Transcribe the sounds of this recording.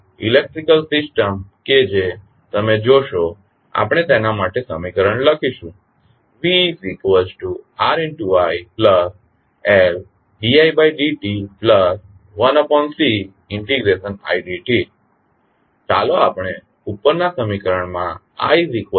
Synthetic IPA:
ḭlek̚ʈɾikəlsisʈəmked͡ʒe | t̪əmed͡ʒoʃo | a̰pɳ̃et̪enamaʈesəmikəɾəɳləkʰiʃũ | ʋisikʋəd͡ʒʈuaɾɛɳʈuajpləs | ɛl | ɖiajbajɖiʈipləs | ʋənɔpɔnsi | ɪɳʈiɡɾeʃəna̰iɖiʈi | t͡ʃaloapɽ̃e | upːəɾnasəmikəɾəɳmã | a̰iɾikʋə

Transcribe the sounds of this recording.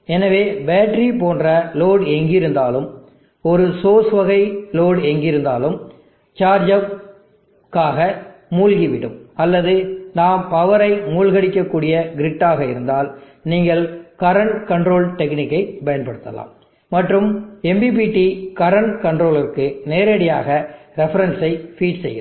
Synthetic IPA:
ɛnɐʋeːbeːʈɾipoːndrɐloːɽɛŋɡɪɾɯnd̪aːlɯm | ɔɾɯsoːsʋɐɣɐɪloːɽɛŋɡɪɾɯnd̪aːlɯm | t͡ʃaːɾd͡ʒɐʋ | kaːɣɐmuːlɣiʋɪɽɯ̰mɐlːɐðɯnaːmpɐʋɐɾɐɪmuːlɣɐɽɪkːɐkːuːɽɪjɐɡɪɾɪʈːaːɣɐɪɾɯnd̪aːl | niːŋɡɐɭkɐɾɐɳʈkɐɳɖɾoːlʈɛknɪkːɐɪbɐjɐnpɐɽɯt̪ːɐ̰la̰ːmː | ɐʈːrɯmɛmbib̬iːʈːikɐɾɐɳʈkɐɳɖrɾoːlɪrkɯneːɾeɽɪja̰ːɣɐɾɛfɐɾɐnsɐɪfiːʈsɛ̰jːɐ

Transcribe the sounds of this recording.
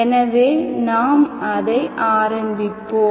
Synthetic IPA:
ɛnɐʋeːnaːmɐðɐɪʔaːɾɐmbɪpːoː

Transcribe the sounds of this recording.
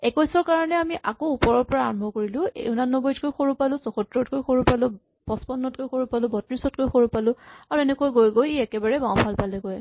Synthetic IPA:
ɛkɔjsɔɹkaɹɔnɛamiʔakoupɔɹɔɹpɔɹa̰ːɹɔmbʱɔkoɹilʊ̃ḛʊnanːɔbɔjtkojxoɹupalʊ̃sɔxɔtɹɔtkojxoɹupalʊ̃ | bɔspɔnːɔt̚kojxoɹupalʊ̃bɔtɹisɔtkojxoɹupalʊ̃aɹuɛnɛkojɡojɡojeɛkɛbaɹɛbawpʰalpalɛɡoj

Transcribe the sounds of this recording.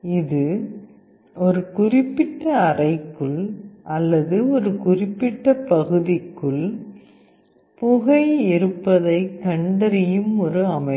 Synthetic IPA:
ɪðɯ | ɔɾɯkʊrɪpːɪʈːɐːrɐɪkːɯɭʔɐlːɐðɯɔɾɯkʊrɪpːɪʈːɐpɐɣɯðɪkːɯɭ | pʊɣɐɪɪɾɯpːɐðɐɪkːɐɳɖɐɾɪjɯmɔɾɯɐmɐɪ

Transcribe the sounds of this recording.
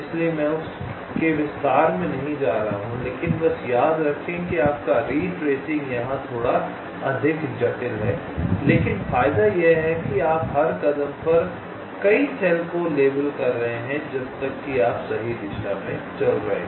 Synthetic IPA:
ɪsliemɛ̃ʊs | keʋɪst̪aːɾmẽnɐɦĩd͡ʒaːɾɐɦaɦũleːkɪnbɐsjaːd̪ɾɐkʰẽkiaːp̚kaɾiːʈɾeːsɪ̃ŋɡjɐɦãt̪ʰoːɽa | ɐd̪ʱɪkd͡ʒɐʈɪlɦɛː | leːkɪnfaːjd̪ajeɦɛkiaːpɦɐɾkɐd̪əmpɐɾ | kɐisɛlkoleːbəlkɐɾːɐɦẽɦɛ̃d͡ʒɐb̚t̪ɐkːiaːpsɐɦid̪ɪʃamḛ̃t͡ʃɐlɾɐɦḛ̃ː

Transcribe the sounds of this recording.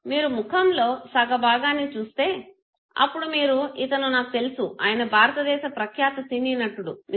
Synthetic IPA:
miːɾumukʰɐmlo̞ːsɐɡɐbaːɡaːnit͡ʃuːst̪e̞ː | ɐ̰pːuɽumiːɾuit̪ɐnunaːkut̪e̞lusuʔaːjɐnɐbʱaːɾɐt̪ɐd̪ɛːʃɐpɾɐkʰjaːt̪ɐsiniːnɐʈːuɽun

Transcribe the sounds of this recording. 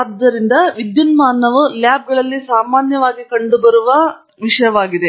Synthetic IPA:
ɐd̪ːɐɾind̪ɐʋid̪junmaːnːɐʋuljaːb̚ɡɐɭɐlːisaːmaːnjɐʋaːɡikɐɳɖubɐɾuʋɐ | ʋiʂɐjɐʋaːɡid̪e̞

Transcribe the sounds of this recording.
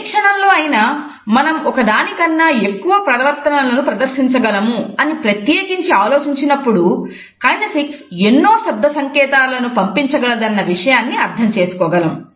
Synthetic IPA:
kʂɐɳɐmlo̞ːɐjina | mɐnɐmɔkɐd̪aːnikɐnːaekːuʋɐpɾɐɾɐʋɐɾt̪ɐnɐlɐnupɾɐd̪ɐɾʃiɲt͡ʃɐɡɐlɐmuɐnipɾɐt̪jeːkiɲt͡ʃiaːloːt͡ʃiɲt͡ʃinɐpːuɽu | kaːjɳdɐsiksenːo̞ːsɐd̪ːɐsɐŋkɛːt̪aːlɐnupɐmpiɲt͡ʃɐɡɐlɐd̪ɐnːɐʋiʂɐjaːnːiɐɾd̪ʱɐmt͡ʃe̞ːsu̥kɔːɡɐlɐm

